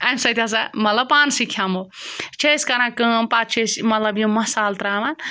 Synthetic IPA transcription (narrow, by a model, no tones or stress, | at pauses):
ɐ̃sɐt̪ʲas̬amɐt̪lɐb̚paːnsikʰjamot͡ʃʰeiskɐɾãkɨ̃pat͡ʃʰesmɐt̪lɐbjomɐsaːlt̪ɾaːʋan